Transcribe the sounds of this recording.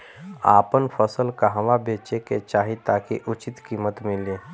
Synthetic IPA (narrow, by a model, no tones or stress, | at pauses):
a̰ːpənpʰəsəlkaɦəʋabeːt͡ʃeket͡ʃaːɦit̪akiʔʊt͡ʃɪt̪kiːmət̪mile